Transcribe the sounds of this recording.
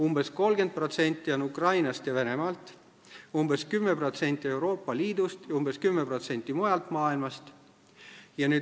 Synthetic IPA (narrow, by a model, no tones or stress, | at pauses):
umbe̞sko̞lɡe̞nd̪̚pro̞t̪se̞nʲt̪ːˑionukrɑjnɑst̪jɑve̞ne̞mɑlt̪ːˑ | umbeskymːepro̞t̪se̞nʲt̪ʲːˑie̞wɾo̞ːpːˑɑliːd̪ust̪jɑumbe̞skymːepro̞t̪se̞nʲt̪ːˑimojɑlt̪mɑːilmɑst̪ | jɑnyː